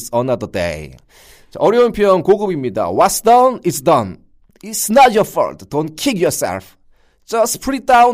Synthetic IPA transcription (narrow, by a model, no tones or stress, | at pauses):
sʌ̃nʌd̪ədḛj | t͡ʃaʔʌɾjʌumpʰjʌnkoɡɯbimɲida̰wʌtsd̥ʌnitsdʌ̃n | isnatjɔfʌ̰dd̥õnkʰiɡjɔsɛ̰lf | d͡ʒʌspʰɾit̚daw̃